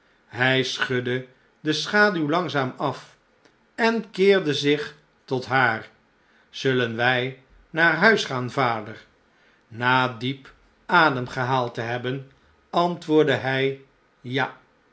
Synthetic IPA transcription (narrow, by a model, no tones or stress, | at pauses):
ɦɛjsχɵdə | dəsχaːdywlɑŋzaːmɑf | ɛnkɪːɹdəzɪχ | tɔtɦaːr | z̥ɵlənʋɛj | naːrɦœɥsχaːnvaːdəɹ | naːdip | ʔaːdəmχəɦaːlˠtəɦɛbən | ɑntʋʊːɹdəɦɛj | ja